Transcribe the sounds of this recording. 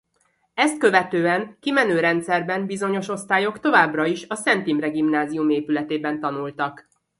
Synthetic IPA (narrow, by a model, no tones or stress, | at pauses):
ɛst̪̚kø̞vɛt̪øːɛŋkimɛnøːɾɛnt̪sɛrbɛmbizo̞ɲo̞ʃo̞st̪aːjo̞kt̪o̞vaːbrɒiʃɒsɛnt̪imrɛɡimnaːziumeːpylɛt̪eːbɛnt̪ɒnult̪ɒk